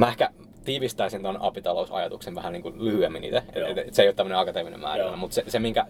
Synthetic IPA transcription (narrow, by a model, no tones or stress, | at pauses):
mæehkæ | t̪iːʋist̪æisint̪onɑ̰pit̪ɑlousɑ̰jɑ̰t̪ukseʋæhæniːŋkulyhyemːinḭːt̪æeḛt̪et̪seˑjot̪ːæmːøneɑkɑt̪eʋinḛmmæ̰ːrænːæmut̪sesemiŋkæ